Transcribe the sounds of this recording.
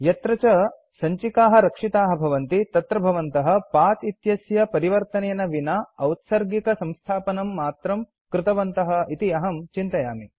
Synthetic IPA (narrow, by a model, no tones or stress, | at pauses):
jɐt̪ɾɐt͡ʃɐ | sɐɲt͡ʃikaːɦɐɾɐkʂit̪aːɦɐ̆bʱɐʋɐnt̪it̪ɐt̪ɾɐbʱɐʋɐnt̪ɐɦɐ̆paːt̪it̪jɐsjɐpɐɾiʋɐɾt̪ɐneːnɐʋinaɐwt̪sɐɾɡikɐsɐ̃mst̪ʰaːpɐnɐmːaːt̪ɾɐm | kɾɪt̪ɐʋɐnt̪ɐɦɐ̆it̪iɐɦɐmt͡ʃint̪ɐjaːmi